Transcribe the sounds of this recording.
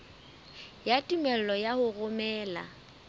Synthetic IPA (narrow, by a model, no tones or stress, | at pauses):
jatʼumɛl̩lɔjahʊrʊmɛːla̰